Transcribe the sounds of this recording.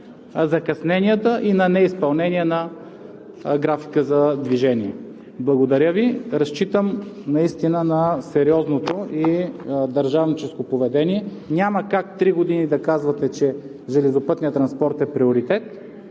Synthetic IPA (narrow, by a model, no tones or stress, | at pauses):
zɐkɐsnɛnijət̪əʔinɐnɛispɐlˠnɛniɛnɐ | ɡɾafi̥kəzɐd̪viʒɛnʲiɛ | blˠɐɡod̪ɐɾʲəviɾɐst͡ʃit̪əmnɐist̪inənɐsɛɾiɔznot̪oid̪ɐɾʒavnit͡ʃɛskopovɛd̪ɛniɛnʲaməkak̚t̪ɾiɡod̪inid̪ɐkazvɐt̪ɛt͡ʃɛ | ʒɛlɛzopɤt̪nijət̪ɾɐnspɔɾt̪ɛpɾioɾit̪ɛt̪